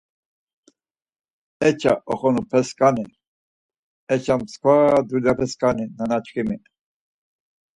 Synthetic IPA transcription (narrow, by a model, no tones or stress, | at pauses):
ɛt͡ʃʰaʔɔχɔnupʰɛskʼani | ɛt͡ʃʰamskʰvad̪ulapʰɛskʼaninanat͡ʃkimi